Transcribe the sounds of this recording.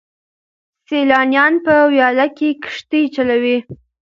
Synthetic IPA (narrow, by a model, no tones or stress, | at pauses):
selɑnjɑnpəwjɑlakekʂt̪it͡ʃalawi